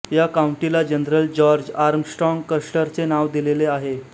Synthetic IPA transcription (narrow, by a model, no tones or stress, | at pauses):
jakauɳʈilad͡ʑənɾəld͡ʑɔɾd͡ʑaɾmsʈɾɔŋɡkəʂʈəɾt͡senaʋd̪ileleaɦe